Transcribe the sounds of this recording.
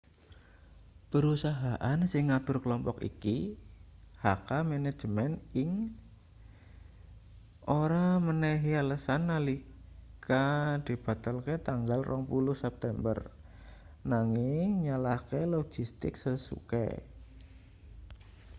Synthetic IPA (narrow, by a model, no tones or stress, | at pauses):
pəɾusaɦaʔansɪŋːat̪ʊrkəlɔmpɔkḭki | hakamɛnɛ̥ʒ̥əmɛnɪŋ | ʔoɾamənɛɦialəsanːalikad̪̥i̤b̥a̤t̪alket̪aŋɡalrʔɔŋpulʊhsɛp̚t̪ɛmbə̰r | naŋɪŋɲalahkelɔɡ̥ist̪ɪ̰ksəsṵkɛ̰